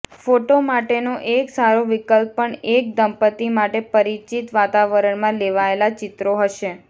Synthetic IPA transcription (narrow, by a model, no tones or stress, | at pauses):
foʈomaʈenoʔeksaɾoʋɪkəlpːəɳek̚d̪əmpət̪imaʈepəɾit͡ʃit̪ʋat̪aʋəɾəɳmãleʋaelat͡ʃɪt̪ɾoɦəʃe